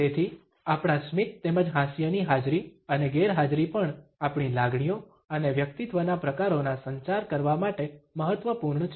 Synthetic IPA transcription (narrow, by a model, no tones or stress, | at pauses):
t̪et̪ʰi | apɳ̃asmit̪̚t̪eməd͡ʒɦãsjəniɦad͡ʒɾiəneɡeɾɦad͡ʒɾipəɳapɳ̃ilaɡɳ̃ijo | əneʋjək̚t̪it̪ʋənapɾəkaɾonasəɲt͡ʃaɾkəɾʋamaʈeməɦət̪ʋəpuɾɳt͡ʃʰ